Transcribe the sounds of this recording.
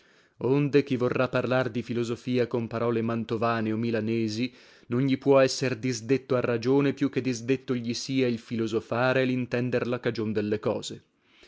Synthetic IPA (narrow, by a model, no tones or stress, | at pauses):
ond̪ek̟ivorːapːarlard̪ifilozofiːakompaɾɔːlemant̪ovaːneomːilanɛːzi | nonʎipwɔɛsːerd̪izd̪et̪ːoarːad͡ʒoːnepjuk̟ːed̪ːizd̪et̪ːoʎisiːailfilozofaːɾeːlint̪ɛnd̪erlakad͡ʒond̪elːekɔ̰ːze